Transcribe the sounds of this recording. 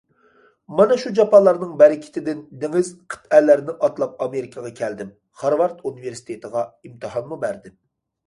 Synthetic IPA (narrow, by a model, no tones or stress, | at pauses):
mɑnɛʃud͡ʒɑpʰɑlˠɑɾnɨŋbɛɾɪkʲʰɪ̥t̪ʰɪd̪ɪnd̪eŋɪzqʰə̥t̪ælːæɾnɪʔɑt̪lˠɑp̚ɑmeɾɪkʰɑʁɑkʲʰɛld̪ɪm | χɑɾwɑɾt̪ʰuniveɾsi̥t̪ʰet̪ʰəʁɑimt̪ʰɨhɑnmubæɾd̪ɪm